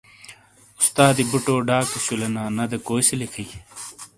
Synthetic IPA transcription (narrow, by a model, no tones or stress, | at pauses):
ust̪aːd̪ibuʈoːɖaːkisulɐnaːnɐd̪ekoːjselikʰɐi